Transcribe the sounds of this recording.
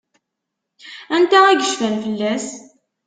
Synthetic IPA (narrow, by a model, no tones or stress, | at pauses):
ænt̪ææʝəʃfænfəlːæs